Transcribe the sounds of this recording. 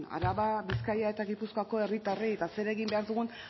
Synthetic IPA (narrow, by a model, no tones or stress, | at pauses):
a̰ɾaβaβiskajae̞t̪aɣipuskoako̞e̞rit̪arie̞t̪ase̞ɾe̞ɣimbe̞aɾðuɣ̞un